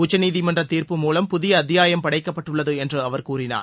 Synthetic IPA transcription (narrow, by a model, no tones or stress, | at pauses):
ʊt͡ʃːɐniːðɪmɐndrɐt̪ːiːɾpɯmuːlɐmpʊðɪjɐːðɪjaːjɐmpɐɽɐɪkːɐpːɐʈːɯɭːɐðɯɛndrɯɐʋɐɾkuːrɪna̰ːɾ